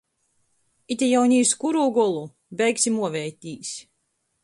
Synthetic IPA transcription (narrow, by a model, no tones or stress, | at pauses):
it̪ʲɛjawnʲiːskuɾuːɡɔlˠu | bʲɛjksʲimuɔvɛjt̪ʲiːsʲ